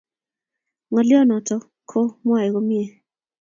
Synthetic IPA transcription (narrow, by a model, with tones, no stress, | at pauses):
ŋɔ˨lɪ˦ɔ˦nɔ˨tɔ˨ | kʰo˦mwa˨e˨ko˦mje˨